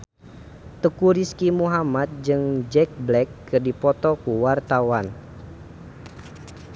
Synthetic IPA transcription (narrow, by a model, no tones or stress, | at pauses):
t̪əkuɾiskimuɦamat̪̚d͡ʒɨŋd͡ʒɛk̚blɛkːɨrdipɔt̪ɔkuwart̪awan